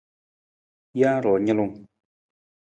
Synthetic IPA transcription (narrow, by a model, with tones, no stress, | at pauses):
ja˦ɾɔ˨ɲə˦lu˦˨ŋ